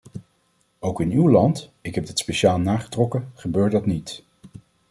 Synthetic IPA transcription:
owkɪnywlɑntɪkɦɛb̚dɪtspeʃaːlˠnaːχə̥trɔkəχəbøːɹtdɑtnit

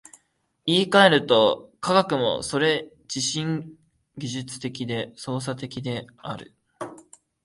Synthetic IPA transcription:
iːkae̞ɾɯ̟t̪o̞kʰaɡakɯ̟mo̞̰so̞ɾe̞ | d͡ʑiɕĩŋ | ɡʲiʑɨt͡sɨ̥t̪e̞kʲid̪e̞so̞ːs̬at̪e̞kʲid̪e̞ | aɾɯ̟̰

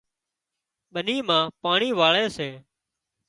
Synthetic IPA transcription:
ɓəniːmãːpaːɳiːʋaːɭeːseː

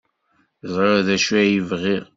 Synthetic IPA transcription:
zˤɾoðæʃuæjivʁiʁ

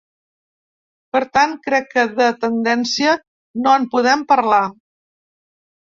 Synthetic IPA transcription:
pəɾt̪ankɾɛkːəðət̪ənd̪ɛnsiə | noəmpuðɛmpəɾla

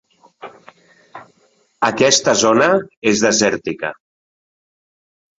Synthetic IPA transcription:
əkɛst̪əzonəezðəzɛɾt̪ikə̰

